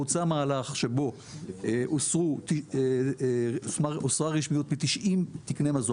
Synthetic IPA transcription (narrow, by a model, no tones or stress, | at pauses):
ut͡samaːlaχʃe̞bo̞ | osʁut̪i | smaosʁaʁiʃmijot̪mit̪iʃimt̪iknemazo